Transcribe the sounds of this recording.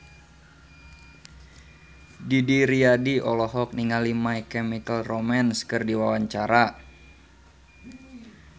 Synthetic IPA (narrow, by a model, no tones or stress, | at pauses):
didiɾiadiɔlɔɦɔk̚niŋalimaikɛmikəlromanskɨrdiwawaɲt͡ʃaɾa